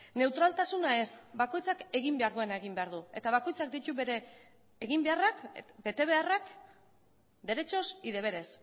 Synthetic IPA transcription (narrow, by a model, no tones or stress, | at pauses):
ne̞wt̪ɾalt̪asunae̞sbako̞jt͡sake̞ɣimbe̞aɾðue̞nae̞ɣ̞imbeaɾðue̞t̪aβako̞jt͡sak̚d̪it̪uβe̞ɾe̞ː | ɣimbe̞arakbe̞t̪e̞β̞e̞arak | d̪e̞ɾe̞t͡ʃo̞siðe̞β̞e̞ɾe̞s